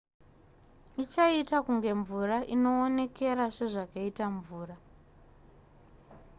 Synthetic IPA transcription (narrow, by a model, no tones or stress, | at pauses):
it͡ʃaitakuŋɡe̞ɱvuraʔino̞ːne̞kʰe̞ɾaʂe̞ʐakaitaɱvuːra